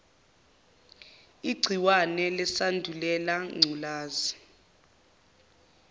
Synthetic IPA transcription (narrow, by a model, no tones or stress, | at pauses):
iɡ͡ǀʱiwanɛlɛsandʱulɛlaŋ͡ǀʱulaːzi